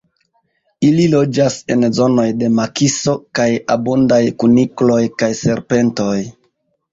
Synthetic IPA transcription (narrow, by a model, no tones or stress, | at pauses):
ililo̞d͡ʒase̞nzo̞no̞jde̞makiso̞kaja̰bundajkuniklo̞jkajse̞ɾpe̞nto̞j